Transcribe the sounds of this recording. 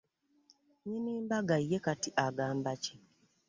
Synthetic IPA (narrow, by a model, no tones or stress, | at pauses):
ɲeniːmbaɡaijːekatiʔaɡaːmbace